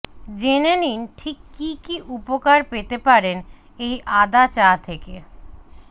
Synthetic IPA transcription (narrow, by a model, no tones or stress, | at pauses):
d͡ʑeneninʈʰikːikiʔupokaɾpet̪epaɾen | ejʔad̪at͡ɕat̪ʰeke